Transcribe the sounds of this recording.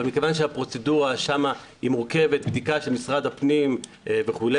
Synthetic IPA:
almikevanʃeapʁo̞t͡seduʁaʃama | imuʁke̞ve̞t̪bd̪ikaʃelmisʁad̪hapnim | eveχule

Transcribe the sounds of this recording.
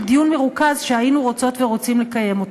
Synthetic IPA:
dijunmeʁukazʃeajinuʁo̞t͡so̞tve̞ʁo̞t͡simle̞kaje̞mo̞t

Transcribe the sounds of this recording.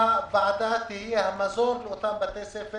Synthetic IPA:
abaːd̪aːt̪iɦɐmɐzoːɾʊt̪ʰãːbɐt̪eːseːfɪ

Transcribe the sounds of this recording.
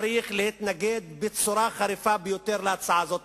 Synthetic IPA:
ɾiχlehit̪naɡed̪̚bet͡suɾaχaɾifabejot̪eʁleat͡saʕazo̞t̪

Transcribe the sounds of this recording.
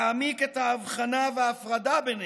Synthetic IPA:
miket̪haːvχanaveaːfʁad̪aben

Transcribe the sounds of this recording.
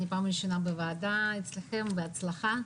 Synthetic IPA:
nʲɪpamʲɕɪnabɨvɐːd̪aɪt̪slʲɪxɛmvɨɐt̪slˠɐxa

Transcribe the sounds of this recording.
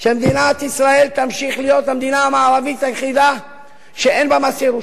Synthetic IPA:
ʃemd̪inat̪isʁae̞lt̪amʃiχlijo̞t̪hamd̪inamaːɾavit̪hajeχid̪a | ʃeenbamasiɾu

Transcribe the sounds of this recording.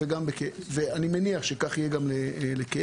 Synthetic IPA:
eɡambekeveanimeniaχʃekaχijeɡamleleke

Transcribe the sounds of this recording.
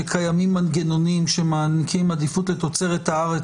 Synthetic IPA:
ekʰajamimanɡeno̞niimʃemaːnikimad̪ifut̪let̪o̞t͡se̞ʁet̪haaʁe

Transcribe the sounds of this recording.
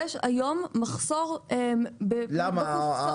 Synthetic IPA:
ɛʃa̰jo̞mːaχsoʁembelama

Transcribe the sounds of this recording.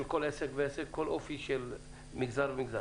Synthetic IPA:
elkolʔesekveesekkːolʔofiʃɛl | miɡzaɾvemiɡza

